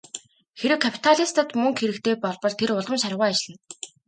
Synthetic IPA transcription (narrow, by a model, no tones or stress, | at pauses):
xeɾɘ̆wkʰapʰi̥t̪ʰaɮʲist̪ə̆t̪mɵŋxeɾɘ̆kt̪ʰeːpɔɮpɞ̆ɮt̪ʰeɾʊɮə̆mʃaɾʁʊːat͡ɕɪ̆ɮə̆n